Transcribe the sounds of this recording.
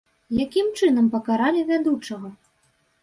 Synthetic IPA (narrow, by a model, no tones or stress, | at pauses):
jakʲimt͡ʂɨn̪ɐmpɐkaɾalʲivʲad̪ut͡ʂɐɣɐ